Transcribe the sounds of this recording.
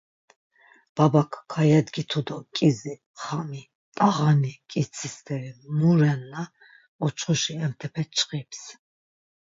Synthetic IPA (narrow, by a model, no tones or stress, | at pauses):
b̥abakʰkʰajɛd̪ɡit̪ʰud̪ɔkʼizi | χami | t̪ʼaʁanikʼit̪t͡sʰist̪ʰɛɾimuɾɛnːa | ɔt͡ʃʰχuʃiɛmt̪ʰɛpʰɛt͡ʃʰʼqʼips